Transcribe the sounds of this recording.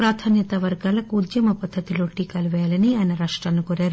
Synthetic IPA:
pɾaːt̪ʰaːnjɐt̪aːʋɐɾɡaːlɐkuːd̪jɐmɐpɐd̪ʱːɐt̪iloːʈːikɐlʋeːlɐniɐnɐɾaːʂʈɾaːnːukoɾeɾu

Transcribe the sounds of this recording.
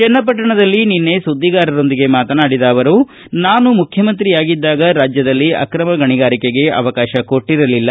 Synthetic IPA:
t͡ʃɛnːɐp̬ɐʈːɐɳɐd̪ɐlːininːe̞sud̪ʱːiɡaːɾɐɾo̞nd̪iɡe̞maːt̪ɐnaːɽid̪aːʋɐɾu | naːnumukʰjɐmɐnt̪ɾiaːɡid̪ːaːɡɐɾaːd͡ʒjɐd̪ɐlːiɐ̰kɾɐmɐɡɐɳiɡaːɾikeɡe̞ʔɐ̰ʋɐkaːʃɐko̞ʈːiɾɐlilːɐ

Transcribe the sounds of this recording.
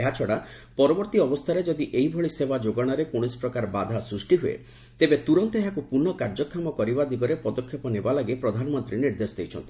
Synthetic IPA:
eɦat͡ʃʰɔɽa | pɔɾɔbɔɾt̪iɔbɔst̪ʰaɾed͡ʒɔd̪iʔeɦibʱɔɭisebad͡ʒoɡɔɽ̃aɾekoɽ̃ispɾɔkaɾɔbad̪ʱasɾusʈiɦuḛ | t̪ebet̪uɾɔnt̪ɔeɦakupuɾnːɔkaɾd͡ʒɔkʰːamɔkɔɾibad̪iɡɔɾepɔd̪ɔkʰːepɔnebalaɡepɾɔd̪ʱanɔmɔnt̪ɾiniɾd̪esɔd̪ejt͡ʃʰɔnt̪ʰi̥

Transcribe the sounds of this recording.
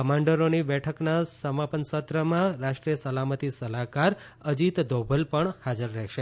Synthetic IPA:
kəmãɳɖəɾonibɛʈʰəknasəmapənsət̪ɾəmãɾaʂʈɾijəsəlamət̪isəlakaɾ | əd͡ʒit̪d̪ʱobʱəlpəɳhad͡ʒəɾːɛɦʃe

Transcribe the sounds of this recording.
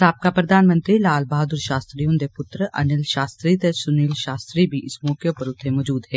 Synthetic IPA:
aːp̚kapɾɐd̪ʱaːnmə̃nt̪ɾilaːlbaːd̪ʊɾʃaːst̪ɾijõnd̪epʊt̪ɾʔɐ̰nɪlʃaːst̪ɾiːt̪esʊniːlʃaːst̪ɾibʱiʔɪsmɔːkjopɐɾʊt̪ʰːemɔːd͡ʒuːd̪ɦɛː

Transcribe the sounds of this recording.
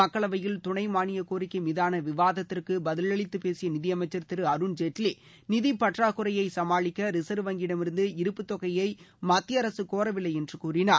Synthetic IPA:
ɐkːɐɭɐʋɐjɪlt̪ʊɳɐɪmaːnɪjɐkoːɾɪkːɯmɪðaːnɐʋɪʋaːðɐt̪ːɪrkɯbɐðɪlɐɭɪt̪ːɯpeːsɪjɐnɪðɪjɐmɐɪt͡ʃːɐɾt̪ɪɾɯɐɾɯnd͡ʒeʈli | nɪðipɐʈraːkʊɾɐjɐɪsɐmaːɭɪkːɐɾɪsɐɾʋɐŋɡɪɽɐmɪɾɯnd̪ɯɪɾɯpːɯt̪ːɔɣɐjɐɪmɐt̪ːɪjɐɾɐsɯkoːɾɐʋɪlːɐɪɛndrɯkuːrɪnaː

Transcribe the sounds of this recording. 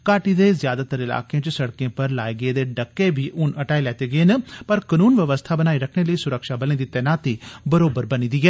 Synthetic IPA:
kaːʈiːd̪eːzjaːd̪aːt̪əɾɪla̰ːkeãt͡ʃsəɽkẽːpəɾlaːeːɡəeːd̪eːɖəkːeːbʱiːʔʊnəʈaːilɛːt̪eːɡəeːnəpəɾkənuːnʋəʋəst̪ʰaːbənaːiːɾəkʰneːləiːsʊɾəkʃaːbəlẽːd̪it̪ɛːnaːt̪iːbəɾoːbəɾbəniːd̪iːɡɛː

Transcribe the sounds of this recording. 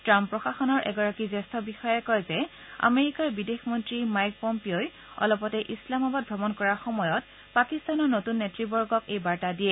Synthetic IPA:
tɹampːɹɔxaxɔnɔɹʔɛ̰ɡɔɹakizɛstʰɔbixɔjɛkɔjzɛ | a̰meɹikaɹbidexmɔntɹimajk̚pɔmpioj | ɔ̰lɔpɔtɛʔislamabad̚bʱɹɔbɔnkɔɹaxɔmɔjɔt | pakistanɔɹnotunːetɹibɔɹɡɔkejbaɹtadijɛ

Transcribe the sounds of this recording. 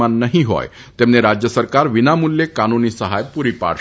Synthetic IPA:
anːəɦiɦɔ̰j | t̪emneɾad͡ʑjəsəɾkaɾʋinamulːekanunisəɦajpuɾipa̰ɽ

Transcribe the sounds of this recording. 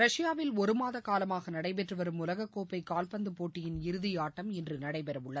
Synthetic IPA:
ɾɐʂɪjaːʋɪlɔɾɯmaːðɐkaːlɐmaːɣɐnɐɽɐɪp̬ɛʈrɯʋɐɾɯmʊlɐɣɐkːoːpːɐɪkaːlpɐnd̪ɯpoːʈːɪjɪnɪɾɯðɪjaːʈːɐmɛndrɯnɐɽɐɪpɛɾɐʋɯɭːɐð

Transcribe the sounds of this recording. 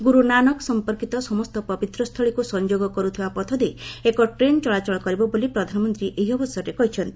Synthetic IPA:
ɡuɾunanɔksɔmpɔɾkit̪ɔsɔmɔst̪ɔpɔbit̪ɾɔst̪ʰɔɭikusɔnd͡ʒoɡɔkɔɾut̪ʰibapɔt̪ʰɔd̪eekɔʈɾent͡ʃɔɭat͡ʃɔɭɔkɔɾibɔbolipɾɔd̪ʱanɔmɔnt̪ɾiʔʔeɦiɔbɔsjɔɾekɔɦit͡ʃʰɔnt̪i̥

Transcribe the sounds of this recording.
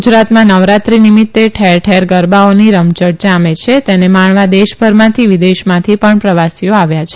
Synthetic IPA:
d͡ʒɾat̪mãnəʋɾat̪ɾinimit̪ːeʈʰɛɾʈʰɛɾɡəɾbaoniɾəmt͡ʃəʈ̚d͡ʒamet͡ʃʰet̪enemaɳʋad̪eʃbʱəɾmãt̪ʰiʋid̪eʃmãt̪ʰipəɳpɾəʋasijoaʋjat͡ʃʰe

